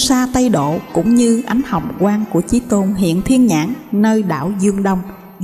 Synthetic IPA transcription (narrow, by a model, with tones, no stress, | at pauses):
saː˧t̪ə˧jɗo̰˧˨kʊ̰˧˥ŋ͡mɲɨ˧ʔa˨˦jŋ̟hə˨˩wŋ͡mkwaː˧nku˧˩ət͡ɕi˨˦t̪o˧nɦḭ˧˨ənt̪ʰi˧ənɲa̰ː˧˥ŋnəː˧jɗa̰ː˧˨wzɨ˧əŋɗə˧wŋ͡m